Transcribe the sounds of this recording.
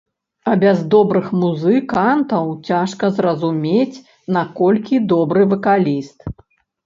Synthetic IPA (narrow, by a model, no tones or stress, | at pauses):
ɐbʲazd̪ɔbɾɨxmuzɨkant̪ɐwt͡sʲaʂkɐzrɐzumʲet͡sʲ | nakɔlʲkʲid̪ɔbɾɨvɐkalʲist̪